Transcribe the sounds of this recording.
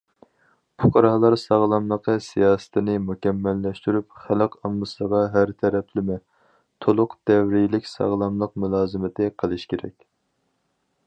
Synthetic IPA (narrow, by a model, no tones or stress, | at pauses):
pʰʊqʰɑɾɑhlˠɑɾsɑʁlˠɑmlˠəqəsijɑːsɨ̥t̪ʰɪnɪmukʲɛmːɛlːɛʃt̪yɾyp̚χæləqʰɑmlɨsəʁɑɦæɾt̪ʰɛɾɛpʰlɪmɛ | t̪ʰolˠʊqd̪̥ɛvɾilɪkʲsɑ̰ʁlˠɑmlˠəq̚mulˠɑːzɨmɪt̪ʰɪqʰəlˠɨʃkʲeɾɛ̰kʲ